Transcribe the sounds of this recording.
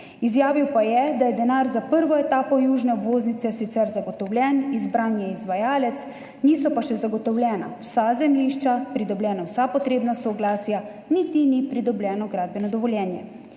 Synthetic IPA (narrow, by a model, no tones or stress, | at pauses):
izjaːʋiwpajɛd̪ajɛd̪ɛnaːɾzapəɾʋɔɛt̪aːpɔjuːʒnɛɔbʋoːznit̪sɛsit̪sɛɾzaɡɔt̪ɔwlʲjɛnizbɾaːnjɛizʋajaːlɛt̪s | niːsɔpaʃɛzaɡɔt̪ɔwlʲɛːna̰wsazɛmliːʃt͡ʃapɾid̪ɔblʲjɛːnawsapɔt̪ɾeːbnasɔɡlaːsja | nit̪inipɾid̪ɔblʲjɛːnɔɡɾaːd̪̚bɛnɔd̪ɔʋɔljɛːnjɛ